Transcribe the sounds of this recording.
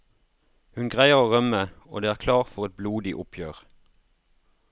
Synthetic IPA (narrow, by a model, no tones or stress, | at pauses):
hʉnɡʁæɪəʁoːʁœməo̰ːd̪eːæːʁkʰlɑːʁfɔʁɛt̪̚bluːd̪ɪʔʊpʰjøːʁ